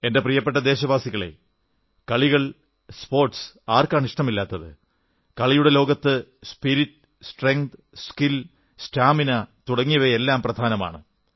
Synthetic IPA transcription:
e̞nde̞prijɐpːe̞ʈ̬ːɐd̪e̞ːɕɐbaːsiɣɐɭe̞̰ | kɐɭiɣɐɭ | spo̞ːrʈsaːrkaːɳiʂʈɐmilːaːt̪ːɐðɨ̰ | kɐɭijuɽe̞lo̞ːɡɐt̪ːɨspiɾiʈːɨsʈreŋd̪ | skil | sʈaːminɐt̪uɽɐŋːijɐʋeelːaːmprɐd̪ʱaːnɐma̰ːɳɨ

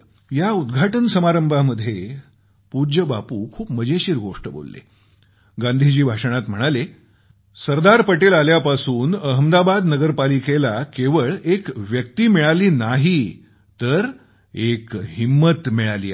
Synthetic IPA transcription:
jaud̪ɡʱaʈənsəmaɾəmbʱaməd̪ʱːje | puɾd͡ʑəbapuːkʰuːpməd͡ʑeɕiːɾɡoʂʈəbo̰lːḛ | ɡãnd̪ʱid͡ʑiːbʱaʂəɽ̃at̪m̤əɽ̃ale | səɾd̪aɾpəʈelaljapasuːnəɦəmd̪abad̪nəɡəɾpalikelakeʋəɭekʋjək̚t̪iːmiɭaliːnaɦi | t̪əɾ | ekɦimːət̪miɭalḭː

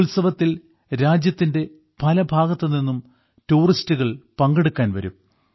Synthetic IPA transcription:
ulsɐʋɐt̪ːil | ɾaːd͡ʑjɐt̪ːinde̞ | pɐlɐbʱaːɡɐt̪ːɐninːum | tuːristuɣɐɭpɐŋɡeɽukːaːnʋɐ̰ɾṵm

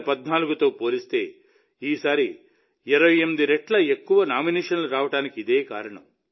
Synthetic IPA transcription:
pɐd̪naːluɡut̪o̞ːpo̞ːlist̪e̞ː | iːsaːɾi | ɛɾɐʋɐjemːid̪iɾeʈlɐekːuʋɐnaːmineːʂɐnluɾaːʋɐʈaːnikiid̪eːkaːɾɐɳɐ̰m

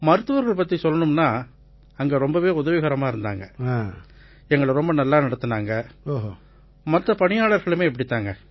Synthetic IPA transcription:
mɐɾɯt̪ːɯʋɐɾɣɐɭpɐt̪ːisɔlːɐnɯmnaː | ɐŋɡeːɾɔmbɐʋeːʊðɐʋɪɣɐɾɐmaːɪɾɯnd̪a̰ːŋɡɐa | ɛŋɡɐɭɾɔmbɐnɐlːaːnɐɽɐt̪ːɯnaːŋɡɐoːɦ | mɐt̪ːɐpɐɳɪjaːɭɐɾɣɐɭɯmeːɛpːɐɽɪt̪ːaːŋɡɐ

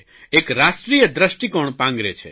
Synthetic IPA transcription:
ekɾasʈɾijəd̪ɾəsʈikoɳ̃pãŋɡɾet͡ʃʰḛ

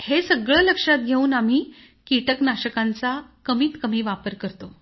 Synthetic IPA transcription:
hesəɡɭələkʂat̪̚ɡʱeuːnam̤iː | kiʈəknaɕəkãnt͡sakəmiːt̪kəmiːʋapəɾkəɾt̪o

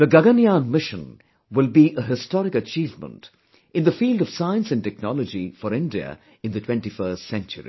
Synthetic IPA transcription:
ðəɡɐɡəniãnmɪʃə̰̃n | wɪlbiʔəɦɪstɔɾɪkət͡ʃiːvmə̰̃nt | ɨ̃nðəfiːlˠdəv̥saɪə̃nsɨ̃ntɛk̚nɔləd͡ʒifəɾɪ̃ndiə̰ | ɨ̃nd̪ðətʰw̥ɛ̃ntifəːstsɛ̃nt͡ʃə̰ɹḭ

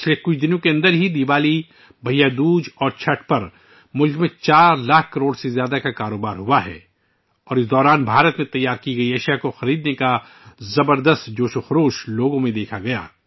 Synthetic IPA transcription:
ɪt͡ʃlekʊt͡ʃʰd̪ɪnõkeɐ̃nd̪əɾɦid̪iʋaːli | bʱɐijad̪uːd͡ʒɔːɾt͡ʃʰɐʈʰpɐɾ | mʊlkmẽt͡ʃaːɾlaːkʰkːɐɾoːɽsezjaːd̪akakaːɾoːbaːɾɦuaɦɛ̰ː | ɔːɾɪsd̪ɔːɾaːnbʱaːɾət̪mẽt̪ɐjːaːɾkiɡɐiɐʃijakoxɐɾiːd̪neka | zɐbəɾd̪əst̪d͡ʒoːʃoxɾoːʃloːɡõmẽd̪eːkʰaɡɐja̰ː

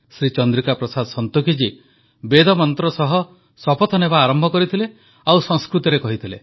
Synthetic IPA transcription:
sɾit͡ʃɔnd̪ɾikapɾɔsad̪ɔsɔnt̪ukʰid͡ʒi | bed̪ʱɔmɔnt̪ɾɔsɔɦɔ | sɔpɔt̪ʰɔnebaːɾɔmbʱɔkɔɾit̪ʰile | awsɔŋskɾut̪iɾekɔɦit̪ʰile

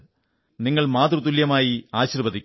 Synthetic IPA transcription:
niŋːɐɭmaːt̪rut̪̬uljɐmaːjiaːɕirbɐd̪ʱikʲː

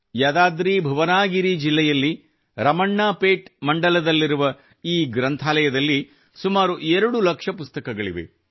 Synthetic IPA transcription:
jaːd̪aːd̪ɾiːbʱɐʋɐnaːɡiɾid͡ʒilːɛjɐlːi | ɾɐmɐɳːaːpeːʈmɐɳɖɐlɐd̪ɐlːiɾuʋɐ | iːɡɾɐnt̪ʰaːlɐjɐd̪ɐlːi | sumaːɾuʔeɾɐɽulɐkʂɐpust̪ɐkɐɡɐɭḭʋḛ

